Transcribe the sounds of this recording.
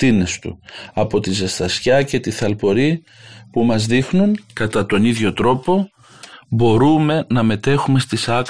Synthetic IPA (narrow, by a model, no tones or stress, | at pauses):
t̪ine̞st̪ṵɐpo̞t̪izest̪ɐsçɐce̞t̪iθɐlpo̞ɾi | pumɐzðixnuŋkɐt̪ɐt̪o̞niðʝo̞t̪ɾo̞po̞ | bo̞ɾume̞nɐme̞t̪e̞xume̞st̪isɐ